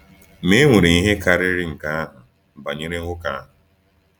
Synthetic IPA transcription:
me˦ŋʷe˨ɾe˨i˦ɦe˦ka˨ɾɪ˦ɾɪ˦ŋ̩˨ka˦a˦ɦʊ˨ | m̩˨ba˨ɲe˦ɾe˦ʊ˦ka˦a˦ɦʊ˨

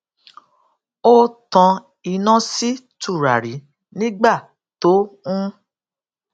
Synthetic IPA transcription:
o˦tã˧ | i˧˨nã˦si˦tu˦˨ɾa˨ɾi˨˦ | nĩ˦ɡ͡ba˦˨ | to˨˦ũ˦

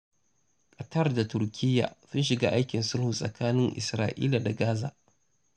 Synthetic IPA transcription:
kʼɐ˨tɐ˦rda˨tʊ˨ɾkʲɪ˦jːa̰ː˨sʊ˦nʃ̬ɪ˨ɡaː˦ʔa˦jkʲɪ˨nsʊ˦lhʊ˨sʼɐ̰˨kaː˦nɪ˦ŋʔɪ̰˨sɾaː˦ʔḭː˦la˨da˨ɡaː˦za̰ː˨ʔ

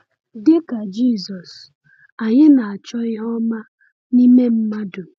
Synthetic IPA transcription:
dɪ˦ka˨d͡ʒi˦˨zɔ˨s | a˨ɲɪ˦na˨a˨t͡ʃɔ˦ɪ˦ɦɔ˦ma˦ | ni˦me˦m̩˦ma˦dʊ˨

